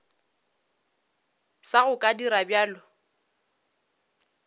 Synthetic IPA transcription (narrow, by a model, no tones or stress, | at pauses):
saɣʊkʼadiɾabjaːlʊ